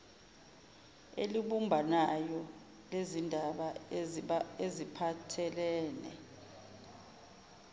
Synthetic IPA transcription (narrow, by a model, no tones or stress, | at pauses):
ḛliɓumbʱanajɔ | lezindʱaɓa | ezipʰatʰɛlɛːnɛ̰